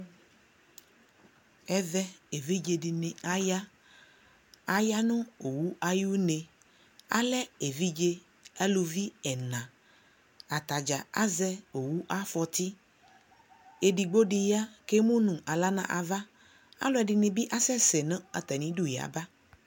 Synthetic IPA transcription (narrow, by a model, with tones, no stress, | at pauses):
ɛ˦vɛ˦e˨vi˦d͡ʒe˨ɖi˨nẽ˨a˦ja˦ | a˦ja˦nũ˦o˨wu˦ʔa˨ju˦nẽ˨ | a̰˦lɛ˦e˨vi˦d͡ʒe˦ | a˦lu˨vi˦ɛ˨nã˨ | a˨t̪a˨d͡ʒa˨a̰˦zɛ˦o˨wu˦ʔa˦fɔ˨t̪i˦ | e˨ɖi˨ɡ͡bo˦ɖi˨ja˦ke˦mũ˦nũ˨a˨la˦nã̰˨ʔa˨va˦ | a̰˦lɔ˦ɛ˨ɖi˨nẽ˨bi˦ʔa˦sɛ˦sɛ˨nɛ̃˦a˨t̪ɛ˨nĩ˦ɖu˦ja̰˨ba˦